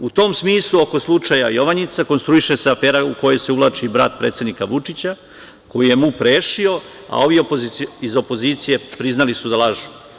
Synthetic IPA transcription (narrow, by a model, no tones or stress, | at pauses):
ut̪o̞ːmsmiːslˠuo̞ko̞slˠut͡ʂaja̰joʋanit̪sako̞nst̪ɾuiʃeseafeːɾauko̞jo̞jseuʋlˠaːt͡ʃibɾa̰ːt̪pɾeːt̪sed̪nikaʋut͡ʂit͡ɕa | ko̞jije̞mupɾeːʃio | a̰o̞ʋiopoziizo̞po̞ziːt̪sije̞pɾiznalisud̪alaʒu